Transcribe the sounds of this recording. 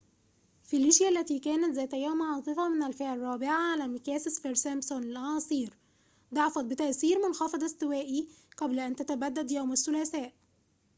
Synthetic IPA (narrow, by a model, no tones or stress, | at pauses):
filːɪʃjælːæt̪iːkæːnæt̪zæːjt̪æjæːmʕɑːsˤɨfɑmɪnælfeʕɑrˤːɑːbɪʕaʕalæːmɪkæːsɪsfeɾsæmsonlʔɑnɑːsˤiːɾ | d̪ɑʕɑfɑt̪̚bɪt̪æʔθiːɾmʊnxɑfɑd̪ˤɑst̪ɪwæːʔiqɑblæʔænt̪æt̪æbæd̪ːæd̪jawmasːʊlæːsæːʔ